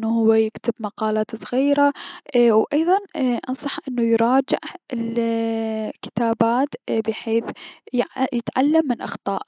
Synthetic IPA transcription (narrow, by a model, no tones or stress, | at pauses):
nːuhʊwːajɪkt̪ɪbmɑqɑːlaːt̪sˤɣiːɾawʔɑjðˤɑnʔɑnsˤɑħʔɪnːujɾˤɑːd͡ʒɪ̰ʕɪl | kɪ̥t̪aːbaːt̪bɪħeːθ | jɪt̪ʕalːamːɪnʔɑxt̪ˤɑːʔ